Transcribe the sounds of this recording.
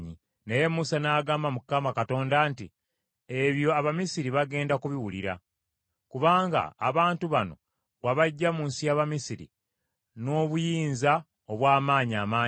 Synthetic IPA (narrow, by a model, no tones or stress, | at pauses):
ɲi | neje̞musanaːɡaːmbamukːamakato̞ːndantḭ | e̞βjo̞aβamisiɾiβaɡe̞ːndakuβiwulḭɾa̰ | kuβaːŋɡa̰ːβaːntuβano̞̰ | ɣaβaɟːamunsijaːβamisiɾḭ | no̞ːβujiːnza | oβwaːmaːɲiaːmaː